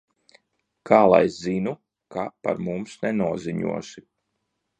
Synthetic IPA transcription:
kaːlˠa̰jzinu | kʰapa̰ɾmumsnɛnuɔziɲṵɔsi

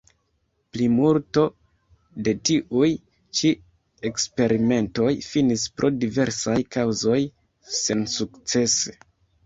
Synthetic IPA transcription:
plimulto̞ | de̞tiʔuj | t͡ʃi | e̞kspe̞ɾime̞nto̞jfinispɾo̞dive̞ɾsajkawzo̞j | se̞nsukt͡se̞se̥

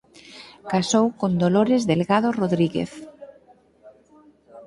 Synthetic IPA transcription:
kasowkond̪oloɾezðelɣaðoroðɾiɣḛθ

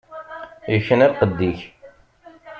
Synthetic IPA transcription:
jəçːənæqəd̪ːiç

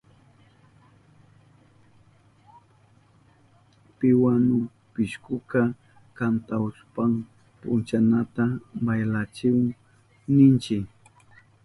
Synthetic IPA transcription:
pɪwanʊ | pɪʃkʊka | kant̪aʊspam | pʊ̰nt͡ʃanat̪abajlat͡ʃɪwaŋ | nɪnt͡ʃɪk

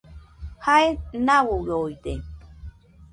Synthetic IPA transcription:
haenawowojt̪e

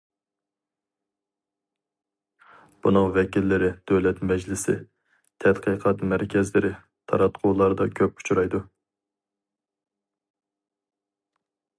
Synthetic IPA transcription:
b̥unɨŋvɛkʲilːɪɾɪd̪̥øwlɛt̪mɛd͡ʒlɪsɪ̰ | t̪ʰɛt̪qʰəqʰɑt̪mɛɾkʲʰɛzlɪɾɪ | t̪ʰɑ̰ɾɑt̪qʰuːlˠɑɾɨd̪ɑkʲʰøp̚ʰu̥t͡ʃʰuɾɑjd̪u

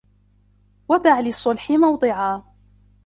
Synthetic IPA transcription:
wad̪aʕlɪsˤːʊlħɪmɑwd̪ˤɨʕaː

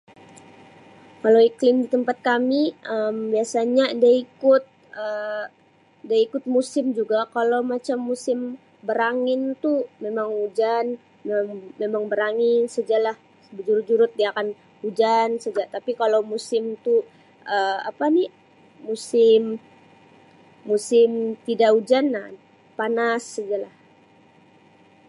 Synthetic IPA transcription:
kaloiklɪmdit̪əmpat̪̚kamiəmbiasaɲadaikʊt̪̚ | ə | daikʊt̪̚musɪmd͡ʒuɡakalowmat͡ʃamːusɪm | bəɾaŋɪnt̪umemaŋud͡ʒan | mŋmemaŋbəɾaŋɪnsəd͡ʒalah | bəd͡ʒuɾʊd͡ʒuɾʊt̪̚diaakan | ud͡ʒansəd͡ʒat̪apikalomusɪmt̪u | əa̰pani | musɪm | usɪmt̪idaʔud͡ʒana | panasːəd͡ʒalah

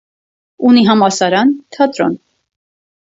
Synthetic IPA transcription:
uniɦɑmɑɾsɑɾɑnt̪ʰɑt̪ɾɔ̰n

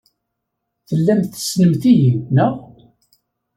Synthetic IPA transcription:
θəlːæmθə̥snəmθijinəʁ

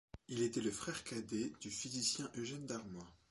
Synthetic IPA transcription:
ilet̪ɛləfχɛʁkad̪ed̪̥yfizisjɛ̃ʔøʒɛnd̪aʁmwa

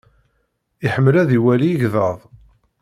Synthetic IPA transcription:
iħəmːlæðiwæliəʝðəðˤ

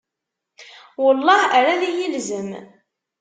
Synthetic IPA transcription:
wəlːɑɾalijilzəm

